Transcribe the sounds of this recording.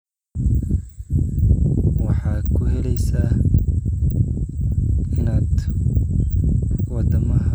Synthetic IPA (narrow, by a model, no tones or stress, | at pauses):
wɑħɑːkʰʊɦɛlɛjsaː | ɪnaːd̪ | wɑd̪ɐmɐɦɐ